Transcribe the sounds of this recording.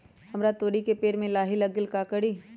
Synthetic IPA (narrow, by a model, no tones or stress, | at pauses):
hɐmɾat̪oːɽikepeːɾmẽlaːɦɪlɐɡɪlkaːkəɽiː